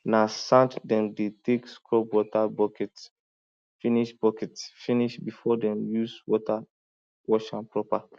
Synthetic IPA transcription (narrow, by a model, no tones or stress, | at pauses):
nasãntdɛ̃mdetekskɹɔpwɔtabɔkɛts | fĩniʃbɔkɛtsfĩniʃbifɔdɛ̃mjuswɔta | wɔʃãnpɹɔpa